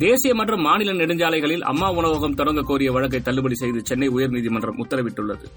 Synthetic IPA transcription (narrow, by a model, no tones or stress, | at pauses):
d̪eːsɪjɐmɐʈrɯmːaːnɪlɐnɪɽɯɲd͡ʒaːlɐɪɣɐɭɪlɐ̰mːaːʊɳɐʋɐɣɐmt̪ɔɾɐŋɡɐkːoːɾɪjɐʋɐɻɐk̬ːɐɪt̪ːɐlːɯbɐɽisɛjðɯt͡ʃɛnːɐɪʊjɐɾniːðimɐndrɐmʊt̪ːɐɾɐʋɪʈːɯɭːɐðɯ